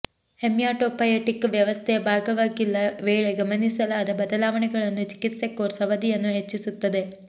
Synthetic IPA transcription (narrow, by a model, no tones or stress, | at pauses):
hemjaːʈoːpɐjeʈːikːʋjɐʋɐst̪ʰebʱaːɡɐʋaːɡilːɐʋeːɭeɡɐmɐnisɐlaːd̪ɐbɐd̪ɐlaːʋɐɳɛɡɐɭenːut͡ʃi̥kit̪sekːoːɾsɐʋɐd̪ijenːuɦet͡ʃːisut̪ːɐd̪e̞